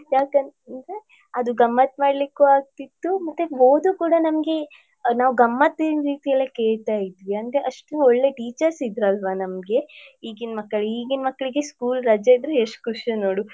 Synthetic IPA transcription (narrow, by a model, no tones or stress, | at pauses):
jaːkɐntɐnd̪ɾe | ɐd̪uɡɐmːɐt̪̚maːɽlikːuaːɡ̚t̪id̪ːumɐt̪ːeoːd̪ukuːɽanɐmɡe̞ | naːʋuɡɐmːɐt̪ːiinɾiːt̪ijɐlːekeːɭt̪aːjid̪ʋiɐnd̪ɾeʔɐʂʈuɔɭːe̞ʈiːt͡ʃɐɾsid̪ɾɐlʋanɐmɡe̞iːɡinmɐkːɐɭiːɡinmɐkːɐɭiɡeskuːlɾɐd͡ʒɐid̪ɾeɦeʂʈkuʂino̞ːɽu